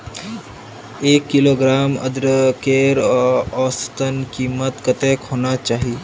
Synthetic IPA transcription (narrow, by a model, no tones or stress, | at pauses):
eːkːɪloɡɾaːmə̰d̪ɾəkeːɾɔːst̪ənkimət̪kət̪ekhoːnat͡ʃaːɦi